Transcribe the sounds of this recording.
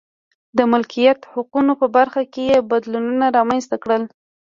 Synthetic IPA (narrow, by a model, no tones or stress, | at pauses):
d̪əmʊlkʰijat̪hʊqunopəbaɾxakejebad̪lununaɾɑmanst̪akɽəl